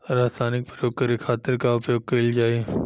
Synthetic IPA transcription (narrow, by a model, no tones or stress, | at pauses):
ɾaːsaːnɪk̚pɾəjoːɡ̚kɐɾikʰaːt̪ɪɾkaʊpjoːɡ̚kɐld͡ʒaːe